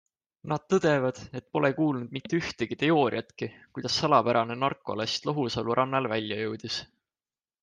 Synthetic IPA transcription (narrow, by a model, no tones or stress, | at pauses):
nɑd̪̥̚t̪ɤd̪̥e̞vɑd̪̥e̞t̪̚ːpo̞lekuːlnud̪̥mit̪ːeyht̪eɡ̥it̪eo̞ːɾḭɑt̪kikujd̪̥ɑsːɑlɑpæɾʔɑne̞nɑrkːˑoɑ̰lest̪loɦusɑluɾʔɑnːɑlvælʲːjɑjɤwd̪̥is